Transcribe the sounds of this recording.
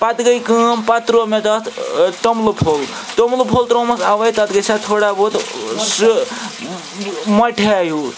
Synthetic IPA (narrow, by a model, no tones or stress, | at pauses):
pat̪ɡəjkə̃mpat̪ɾomet̪ɔt̪ʰʈomlopʰol | ʈ̪omlopʰolt̪ɾoməkaʋəjt̪at̪ɡəsat̪ʰoɽabot̪s | məʈʰaju